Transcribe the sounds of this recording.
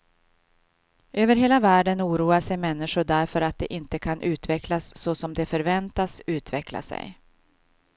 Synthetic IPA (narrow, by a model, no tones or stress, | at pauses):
ʔøːvəɾɦeːlavæːɖənuːɾuːaʂɛjmɛnːɪʂʊɖæɾfœɾat̪̚d̪ɛ̰ʔɪnt̪əkʰanʔʉ̟ːt̪vɛklasːɔsɔmd̪ɛfœɾvɛnt̪asʉ̟ːt̪vɛkla̰sɛ̰j